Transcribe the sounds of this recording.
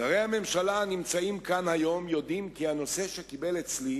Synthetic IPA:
aʁejhame̞mʃalanimt͡saimkanhajo̞mjo̞d̪imkiano̞se̞ʃe̞kibe̞let͡sli

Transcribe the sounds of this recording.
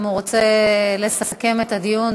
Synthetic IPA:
muʁot͡sele̞saske̞met̪ad̪ijun

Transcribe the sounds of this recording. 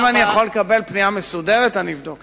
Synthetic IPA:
manijaχolekabe̞lpniamesudeʁetanivd̪ok

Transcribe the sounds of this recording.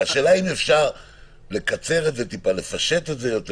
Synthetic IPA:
aʃeːlaimefʃaʁ | le̞kat͡seʁetze̞t̪ipale̞faʃe̞t̪e̞tzejot̪e

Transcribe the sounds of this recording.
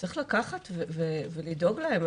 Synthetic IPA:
t͡sʁiχlakaχat̪vevevelido̞ɡlahem

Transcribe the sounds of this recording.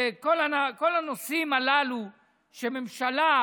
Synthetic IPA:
kolanakolanosimalalu | ʃememʃala

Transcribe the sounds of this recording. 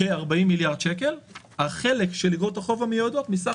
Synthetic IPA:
eaʁbaimːiljaʁd̪ʃeke̞l | aχe̞lekʃeliɡʁot̪aχo̞vamejod̪ot̪misa

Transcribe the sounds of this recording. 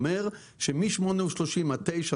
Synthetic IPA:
meʁ | ʃemiʃmoneuʃloʃimat̪ejʃa

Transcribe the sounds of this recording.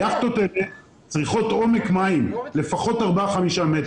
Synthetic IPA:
jaχt̪otele | t͡sʁiχo̞to̞me̞kmaimle̞faχo̞taʁbaχamiʃamet

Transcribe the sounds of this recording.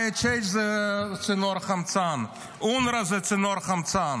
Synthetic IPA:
ɪt͡ʃeɪʃzɛt͡sɪnɔɾχamt͡san | unɾazɪt͡sɪnɔɾχamt͡san

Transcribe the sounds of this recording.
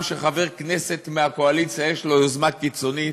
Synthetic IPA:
mʃeχaveʁknese̞t̪meako̞alit͡sjajeʃlo̞jozmakit͡so̞nit

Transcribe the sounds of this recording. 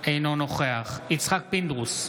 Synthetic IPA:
ejnonoχeaχit͡sχak̚pind̪ʁus

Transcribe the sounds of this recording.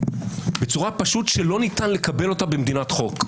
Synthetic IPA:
bet͡suʁapaʃutʃelo̞nitanle̞kabe̞lo̞tabemd̪inatχo̞k

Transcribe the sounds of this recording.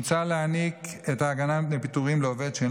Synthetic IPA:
t͡saleaniketaːɡanamnepit̪uʁimleoved̪ʃen

